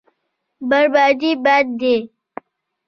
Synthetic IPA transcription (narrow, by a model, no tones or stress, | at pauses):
bəɾbaːd͡ʒiːbaːd̪̚ːeː